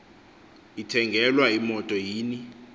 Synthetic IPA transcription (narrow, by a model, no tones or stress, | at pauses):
itʰɛŋɡʱɛlwaimɔtʼɔjiːni